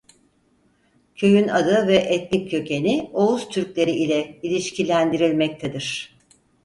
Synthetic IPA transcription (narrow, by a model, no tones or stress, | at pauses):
cʰøjynad̪ɯvɛʔɛt̪nʲicʰːø̞cenio̞uzt̪ʰyɾclʲe̞ɾiilʲɛilʲiʃcilʲænd̪iɾilʲmɛc̚t̪ʰed̪iɾ̥